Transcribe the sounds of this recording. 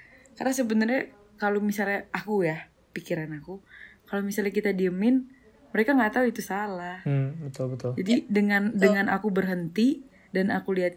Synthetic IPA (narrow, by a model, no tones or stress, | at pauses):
karnasəbənərɲa | kalomisalɲaʔakuja | pikiɾanakukalomisalɲakit̪adiəmɪn | məɾekaŋɡat̪auit̪usalahbət̪ʊlbət̪ʊld͡ʒadidəŋandəŋanʔakubərɦənt̪i | danakuliɦat̪̚